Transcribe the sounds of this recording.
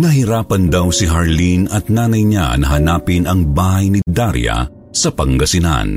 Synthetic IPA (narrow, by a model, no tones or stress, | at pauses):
nɐɦɪɾaːpɐnd̪ɐwsɪɦɐɹlinɐt̪̚naːnɐjɲa̰nɐɦɐnaːpɪnɐŋbaːhɐjnɪd̪aɾjɐ̰ | sɐpɐŋɡɐsɪna̰n